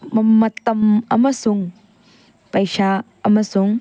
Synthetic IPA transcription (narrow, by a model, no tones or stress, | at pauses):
mɐmːɐt̪ɐmɐ̰mɐsuŋ | pɐjsa | ɐmɐsuŋ